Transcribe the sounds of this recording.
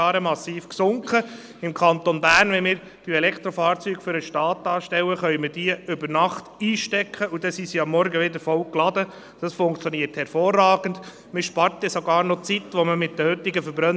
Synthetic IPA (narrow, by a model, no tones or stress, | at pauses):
ɑːɾəmɑsːiːfksʊŋkχə | ɪmkʰɑnt̪onbæːɾnʋɛmɪːɾ | d̥yɛlɛkʰt̪ɾɔfɑːɾt͡syːɡ̥fʏɾəʃtɑːt̪ɑːʃtɛwəχœʏməd̥iːəʏbəɾnɑχt̪iːʃtɛkʰχəʔud̪ɛsisiɑmːɔɾɡəʋɪd̪əɾfɔlklɑd̪ə | d̥ɑsfʊŋkt͡sjɔniːəɾthɛɾfoːrːɑːɡənd̪ | mɪɾʃpɑrt̪əsoɡɑːɾnɔt͡sit̪ʋɔməmɪt̪̚dəhʏt̪ːɪɡəfəɾbɾœn